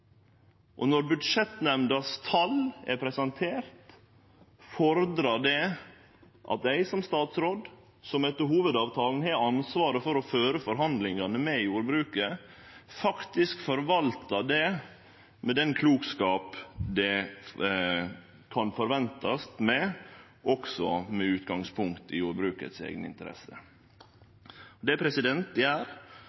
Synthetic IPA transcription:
ʔɔnɔɾbʉd̪ʂɛt̪nɛmnd̪ɑst̪ʰɑlɛpʰɾɛsɛnt̪ʰeːɾt̪ | fɔɾd̪ɾɑɖɛ | ʔɑ̰t̪̚æɪsɔmst̪ɑːt̪sɾoːd̪ | sɔmɛt̪ːəɾhuːʋəd̪ɑːʋt̪ʰɑːln̩hɛɑnsʋɑːɾəfɔɾɔføːɾəfɔɾɦɑnd̪lɪŋɑnəmɛjuːɾbɾʉːkə | fɑkt̪ɪskfɔɾʋɑlt̪ɑd̪ɛ | mɛd̪ɛnkʰluːɡskɑːpd̪ɛ | kʰɑnfɔɾʋɛnt̪ɑst̪mɛ | ʔɔksɔ̰mɛʉːt̪ɡɑŋspʰʊŋkt̪ɪjuːɾbɾʉːkə̰t̪sḛːɡnəɪ̰nt̪əɾɛ̰sːə | ɔd̪ɛæpʰɾɛsɪd̪ɛnt̪̚d̪ɛæːɾ

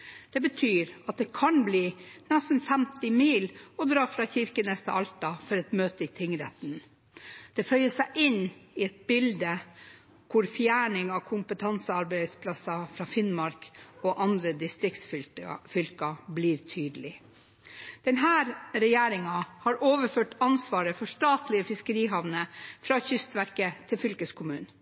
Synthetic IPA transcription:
d̪̥ɛbət̪ʰyːɾɑt̪̚d̪ɛkʰɑnbliːnɛsn̩fɛmt̪ɪmiːlɔd̪ɾɑːfɾɑçɪɾkənɛst̪ə̰ʔɑlt̪ɑfɔɾɛt̪møːt̪əɪt̪ʰɪŋɾɛ̰t̪n | d̪̥ɛfœʏəsæɪʔɪnɪɛt̪̚bɪld̪ə | kʰʊɾfjæːɳɪŋɑkʰʊmpət̪ʰɑnsəɑɾbæɪspʰlɑsɑfɾɑːfɪnmɑɾkoːʔɑnd̪ɾəd̪ɪst̪ɾɪkt̪sffʏlkɑbliːɾt̪ʰyːd̪lɪ | d̪̥ɛnɦæːɾɾɛjæːɾɪŋɑhɑɾʔoːʋəɾføːʈɑnsʋɑːɾəfɔʂʈɑːt̪lɪəfɪskəɾiːɦɑʋnəfɾɑçʏst̪ʋæɾkət̪ʰɪlfʏlkəskʰʊmʉːn

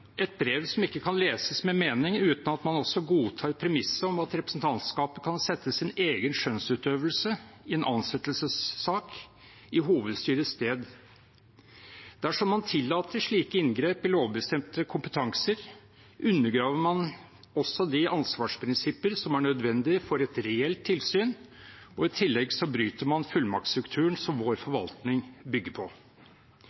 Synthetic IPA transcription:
ɛt̪̚bɾeːʋsɔmɪkːəkʰɑnleːsəsmɛmeːnɪŋʉːt̪nɑt̪mɑnɔsːɔɡuːt̪ʰɑːɾpʰɾɛmɪsːəɔmɑt̪ɾɛpɾəsn̩t̪ʰɑnt̪skɑːpəkʰɑnsɛt̪ʰːəsɪneːɡənʃœnsʉːt̪øːʋəlsəɪɛnʔɑ̰nsɛt̪əlsəsːɑːk | ɪɦuːʋəd̪st̪yːɾəst̪eːd̪ | d̪̥æʂɔmːɑnt̪ʰɪlːɑːt̪ʰəʂɭiːkəɪnɡɾeːpɪloːʋbəst̪ɛmt̪əkʰʊmpət̪ʰɑŋsəɾ | ʔʉnːəɡɾɑːʋəmɑn | ɔsːɔd̪ɪʔɑnsʋɑːʂpʰɾɪnsɪpəɾsɔmæɳœd̪ʋɛnd̪ɪfɔɾɛt̪ɾɛɛlt̪ʰːɪlsyːn | ɔɪt̪ʰɪlːɛɡsɔbɾyːt̪əɾmɑnfʉlmɑ̰k̚t̪st̪ɾʉkt̪ʰʉːəɳsɔmʋoːɾfɔɾʋɑlt̪nɪŋbʏɡːəpʰɔ

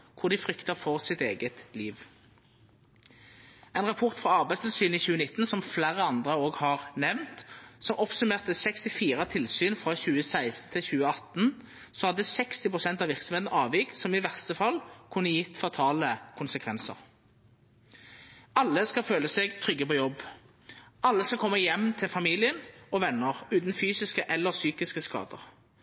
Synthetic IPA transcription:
kʰʊʁd̪ɪfʁʏkt̪əfɔʁsɪt̪eːɡət̪liːʋ | ɛɪnʁɑpʰʊʁt̪fʁɑɑʁbæɪst̪ʰɪlsyːniçʉːənɪt̪ːnsɔmflæːʁəɑnd̪ʁəoːɡhɑːʁnɛʋnt̪sɔmɔpsʉmeːʁt̪əsɛkst̪ɪfiːʁət̪ʰɪlsyːnfʁɑçʉːəsæɪst̪n̩t̪ʰɪlçʉːəɑt̪n̩ | sɔhɑd̪ːəsɛkst̪ɪpʰʁʊsɛnt̪ɑʋɪʁksɔm̩heːt̪n̩ɑːʋɪksɔmɪʋæʁst̪əfɑlkʰʉnːəjɪt̪ːfɑt̪ʰɑːləkʰʊnsəkʰʋɛnsə̰ʁ | ɑlːəskɑføːləseːɡt̪ʰʁʏɡːəpɔjɔbː | ɑlːəskɑlkʰɔmːəjɛmt̪ʰɪlfɑmiːlɪənɔʋɛnːəʁʉːt̪n̩fyːsɪskəʔɛlːəʁsyːkɪskəskɑ̰ːd̪ə̰ʁ

